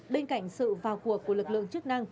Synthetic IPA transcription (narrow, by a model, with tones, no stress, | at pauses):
ɓe˧nka̰˧˩jŋ̟sɨ̰˧˨vaː˨˩wku˨˧˩əkːu˧˩əlɨ˨˩k̚lɨ̰˧˨əŋt͡ɕɨ˦˥ək̚na˧ŋ